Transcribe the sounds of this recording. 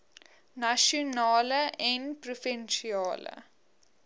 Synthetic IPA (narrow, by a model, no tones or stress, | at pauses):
naʃɔnaːləɛ̃npɾɔfɛ̃nʃiaːlə̰